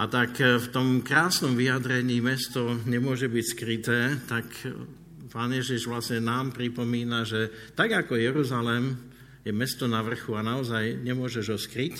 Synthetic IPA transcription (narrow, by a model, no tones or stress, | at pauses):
at̪akft̪ɔmkɾaːsnɔmʋijad̪ɾɛɲiːmɛst̪ɔɲɛmʊɔʒɛbicskɾit̪ɛːt̪ak | paːnjɛʒiʒʋlasɲɛnaːmpɾipɔmiːnaʒɛt̪aɡakɔjɛɾuzalɛm | jɛmɛst̪ɔnaʋr̩xuanaɔzajɲɛmʊɔʒɛʒɔskɾic